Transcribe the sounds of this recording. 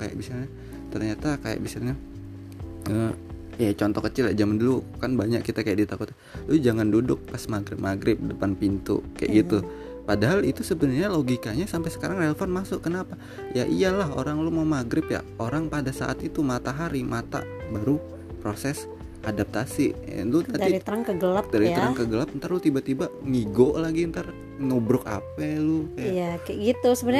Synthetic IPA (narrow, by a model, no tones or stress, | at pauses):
kaja̰ʔbisalɲa | t̪ərɲat̪akaja̰ʔbisalɲa | ə | jat͡ʃɔnt̪ɔkət͡ʃɪljaʔd͡ʒamandulukanbaɲakkːit̪akajaʔdit̪akut̪ | lʊd͡ʒaŋandudʊk̚pasmaɡɾɪp̚maɡɾɪp̚dəpanpint̪ṵkajaʔɡit̪u | padaɦalit̪usəbənərɲaloɡikaɲasampajsə̥kaɾaŋrɛlfɔnmasʊkənapa | jaʔialaɦo̰ɾaŋlumaumaɡɾɪpja̰oɾaŋpadasa̰ʔa̰t̪it̪umat̪aɦaɾimat̪a̰baɾu | pɾosɛs | ʔadap̚t̪asḭlut̪adiɾitt̪əɾaŋkəɡəladaɾit̪əɾaŋkəɡəlap̚ənt̪arlut̪ibat̪ibaʔŋiɡoʔlaɡiənt̪ar | nobɾʊka̰pɛlʊkajaakajɡit̪usəbən